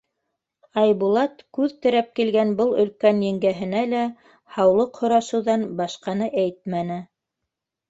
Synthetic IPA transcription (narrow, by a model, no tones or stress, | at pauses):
ɑjbulˠɑt̪kʉðt̪ɘ̆ɾæp̚kilɡænbɤlˠɵ̆lkænjɘ̆ŋɡæɦɘ̆nælæ | hɑwlˠɤqhŏɾɑʃɤ̆wðɑnbɑʃqɑnɤʔæjt̪̚mænɘ